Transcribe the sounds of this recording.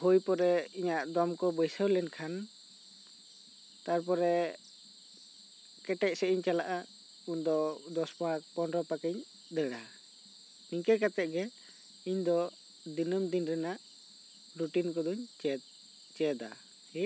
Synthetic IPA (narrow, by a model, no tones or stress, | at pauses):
hujpɔɾɛiɲaʔd̪ɔmkɔbəjsəwlɛnkʰan | t̪aɾp̬ɔɾɛ | kɛʈɛc̚sɛʔiɲt͡ʃalaʔa | und̪ɔd̪ɔspaɦakpɔnɾɔpakiɲ | d̪əɽa | niɲkɛkat̪ɛʔ̚ɡɛ | iɲd̪ɔ | d̪inəmd̪inɾɛnaʔ | ɾuʈinkɔd̪uɲt͡ʃ̪ | t͡ʃɛd̪a̰ | hi